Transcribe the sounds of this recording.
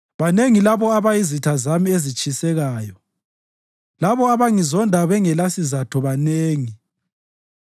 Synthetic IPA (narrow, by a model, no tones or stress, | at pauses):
βaneŋilaβɔaβajizitʰazamiezit͡ʃʼisɛɣaːjɔ | laβɔaβaŋizɔndʱaβɛŋɛlasizatʰɔβaneːŋi